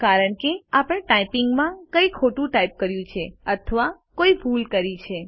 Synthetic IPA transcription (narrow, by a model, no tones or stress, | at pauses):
kaɾəɳkeapəɽ̃ẽʈajpiŋɡmãkəikʰoʈũʈajp̚kəɾjũt͡ʃʰeət̪ʰəʋa | koifʰulkəɾit͡ʃʰe